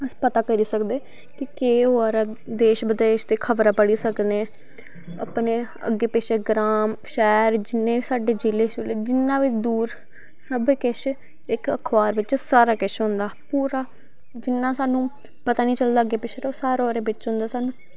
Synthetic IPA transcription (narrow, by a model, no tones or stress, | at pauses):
əpət̪aːkəɾiːsəkd̪eː | kɪkeːɦoɾaːd̪eːʃbəd̪eːʃt̪eːkʰəʋɾaːpəɽiːsəkneː | ə̰pneː | ə̰ɡːeːpeːʃeːɡɾaːmʃɛːɾd͡ʒɪnːẽːiːsaːɖeːd͡ʒiːleːʃoːleːd͡ʒɪnːãːʋiːd̪uːɾ | səbkɪʃ | ɪkəkʰʋaːɾʋɪt͡ʃsaːɾaːkɪʃɦõnd̪aːpuːɾaː | d͡ʒɪnːãːsaːnũː | pət̪aːnĩːt͡ʃəld̪aːəɡːeːpeːʃɾosaːɾoːɾeːʋɪt͡ʃɦʊ̃nd̪aːsaːnũː